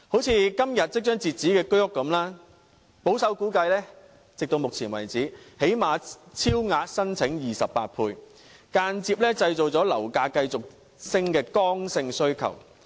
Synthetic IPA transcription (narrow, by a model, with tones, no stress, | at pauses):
ho˨˥wt͡sʰiː˧kɐ˥mjɐ˨t̚t͡sɪ˥k̚t͡ʃœː˥ŋt͡siː˨t̚t͡siː˨˥kɛː˧kɵ˥ɥʊ˥kːɐ˨˥mlaː˥ | po˨˥wsɐ˨˥wkuː˨˥kɐ˧jlɛː˥ | t͡sɪ˨k̚t̪o˧wmʊ˨k̚t͡sʰiː˨˩nwɐ˨˩jt͡siː˨˥he˨˥jmaː˨˧t͡sʰiː˥wŋaː˧t̚sɐ˥nt͡sʰɪ˨˥ŋjiː˨sɐ˨pːa̰ː˧t̚pʰuː˧j | kaː˧nt͡siː˧p̚lɛː˥t͡sɐ˧jt͡so˨wt͡sɔː˨˥lɐ̰˨˩wkaː˧kɐ˧jt͡sʊ˨k̚ | sɪ˥ŋkɛː˧kɔː˥ŋsɪ˧ŋsɵ˥ɥkʰɐ̰˨˩w